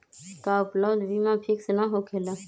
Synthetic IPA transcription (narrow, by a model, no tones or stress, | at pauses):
kaːʊpləʋd̪ʋiːmãːpʰiksnaɦoːkʰeːlaː